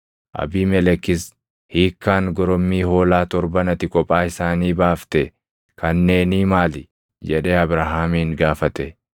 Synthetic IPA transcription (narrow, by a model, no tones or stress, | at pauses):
ʔɐ̰biːmɛlɛkɪs | hiːkːaːŋɡɔɾɔmːiːhoːlaːt̪ɔɾbɐnɐt̪ɪkʼɔpʼːaːɪsaːniːbaːft̪ɛ | kʰɐnːe̞ːniːmaːlɪ | d͡ʒɛᶑeːɐbɾɐɦaːmiːŋɡaːfɐt̪ɛ